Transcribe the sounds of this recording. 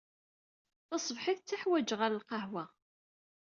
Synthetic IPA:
θɑsˤəvħiθt͡sːaħwæd͡ʒʁəɾəlqɑɦwæ

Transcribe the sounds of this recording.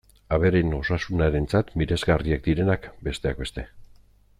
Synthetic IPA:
aβe̞ɾeno̞sasunaɾe̞nt͡sat̪miɾe̞zɣariak̚d̪iɾe̞nakbe̞st̪e̞ak̚be̞st̪e̞

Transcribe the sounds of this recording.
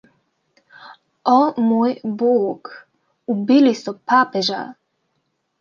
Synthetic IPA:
ɔmoːjboːk | ubilisɔpapɛʒa̰

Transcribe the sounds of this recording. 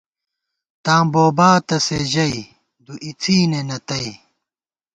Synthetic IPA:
t̪ãːboːbaːt̪ɐseʑɐi | d̪uʔit͡sʰiːnenɐt̪ɐi

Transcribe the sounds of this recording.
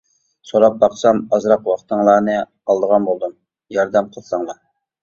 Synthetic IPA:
soɾɑp̚bɑqsɑmɑzɾɑqwɑχt̪ʰəŋlˠɑːnɨ | ɑlˠd̪əʁɑnbolˠd̪um | jɑɾd̪ɛmqʰəlˠsɑŋlˠɑ

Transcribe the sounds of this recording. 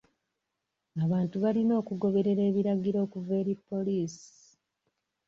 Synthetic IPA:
aβaːntuβalino̞ːkuɡo̞βe̞ɾe̞ɾe̞ːβiɾaɡiɾo̞ːkuve̞ːɾipːo̞liːsi̥

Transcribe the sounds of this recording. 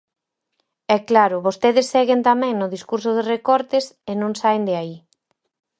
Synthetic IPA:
ɛklaɾʊβost̪eðɪsːɛɣent̪amɛ̃ŋnʊðiskuɾsʊð̞erekɔɾt̪ɪsenõŋsaend̪ɪai

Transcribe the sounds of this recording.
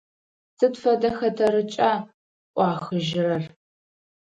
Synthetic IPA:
sɨtfɐdɐxɐdʰɐɾɨt͡ʃʼaː | ʔʷʼɑːxɨʒɪrɐr

